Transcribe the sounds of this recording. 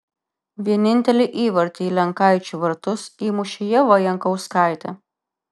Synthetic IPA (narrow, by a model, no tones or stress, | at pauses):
ʋʲiɛnʲɪnʲt̪ʲɛlʲɪʔiːʋɐɾʲt̪ʲiːlʲɛŋkɐˑɪt͡ʃʲuʋɐɾt̪ʊsiːmʊʃʲɪjɛʋɐjɛŋkɒʊskɑˑɪt̪ʲɛ